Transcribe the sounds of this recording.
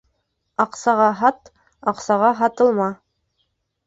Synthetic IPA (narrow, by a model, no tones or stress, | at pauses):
ɑqsɑʁɑɦɑt̪ | ɑqsɑʁɑɦɑt̪ɤ̆lˠmɑ